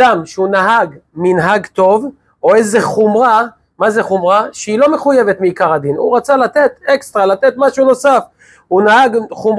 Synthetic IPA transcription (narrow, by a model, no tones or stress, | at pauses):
amʃeunaɦaɡminɦaɡt̪o̞v | o̞ezeχumʁa | mazeχumʁaʃeilo̞me̞χuje̞vet̪miikaʁad̪inṵʁat͡salat̪e̞t̪ekst̪ʁalat̪e̞t̪maʃuno̞saf | unahaɡχum